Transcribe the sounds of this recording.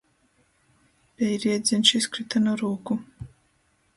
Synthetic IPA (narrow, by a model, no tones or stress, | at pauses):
pʲɛjɾiɛd̪zinʃiskɾɨt̪anuɾuːku